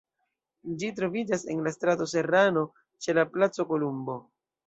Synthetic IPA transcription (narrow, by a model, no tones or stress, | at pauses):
d͡ʒitɾo̞vid͡ʒase̞nlastɾato̞se̞ɾano̞ | t͡ʃe̞laplat͡so̞ko̞lumbo̞